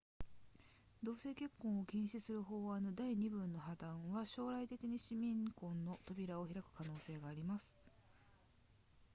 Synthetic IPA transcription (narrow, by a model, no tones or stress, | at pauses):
d̪o̞ːse̞ːkʲe̞kːõɰ̃o̞kʲẽɰ̃ɕisɨɾɯ̟ɦo̞ːβanod̪aiɲ̟ibɯ̟̃nːo̞ɦad̪ãɰ̃βaɕo̞ːɾait̪e̞kʲiɲ̟iɕimʲĩŋkõ̞nːo̞t̪o̞bʲiɾaoçiɾakɯ̟̥kano̞ːse̞ːɡaːɾʲimasɨ̥